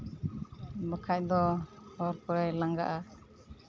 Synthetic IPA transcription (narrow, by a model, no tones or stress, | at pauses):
bəkʰac̚d̪ɔɔɾpɔɾajlaŋɡa̰ʔa